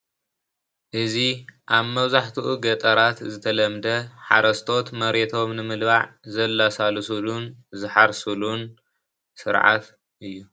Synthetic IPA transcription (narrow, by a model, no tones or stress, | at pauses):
ʔɨziʔaβmɐβzaħt̪ʰɨʔuɡɐt̪ʼɐɾat̪zɨt̪ʰɐlɐmd̪ɐħaɾɐst̪ʰo̞t̪mɐɾet̪ʰo̞mnɨmɨlβaʕzɐlːasalsulunzɨħaɾsulun | sɨɾʕa̰t̪ | ʔɨjːu